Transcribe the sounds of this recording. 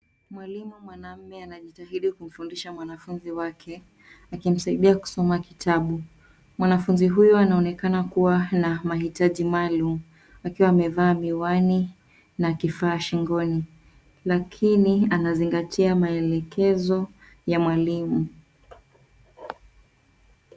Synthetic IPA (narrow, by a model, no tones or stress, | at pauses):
mwalimumwanam̩mɛanaʄitaɦiɗikum̩fundiʃamwanafunziwakʰɛ | akim̩saiɗiaku̥sɔmakitʰaɓu | mwanafunziɦujɔanaɔnɛkanakuwanamaɦitaʄimalumu | akiwaːmɛvaːmiwani | nakifaːʃiŋɡɔni | lakʰinianaziŋɡatʰiamaɛlɛkɛzɔ | jamwalimu